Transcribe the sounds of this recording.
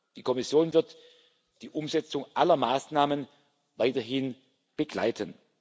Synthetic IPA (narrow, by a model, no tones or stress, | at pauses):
d̥iːkʰɔmɪsjoːnvɪɐt | d̥iːʔʊmzɛt͡sʊŋʔalɐmaːsnaːmən | vaɪtɐɦɪn | b̥əɡla̰ɪtʰən